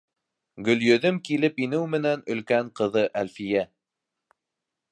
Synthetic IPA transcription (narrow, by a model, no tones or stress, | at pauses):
ɡɵ̆ljɵ̆ðɵmkilɘpinɘwmɘ̆nænɵ̆lkæɴqɤ̆ðɤʔælfijæ